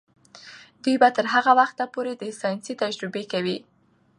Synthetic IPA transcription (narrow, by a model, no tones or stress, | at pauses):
d̪̥ujbat̪əɾɦaɣawaxt̪apoɾed̪əsɑjnsit̪ad͡ʒɾɪbekawi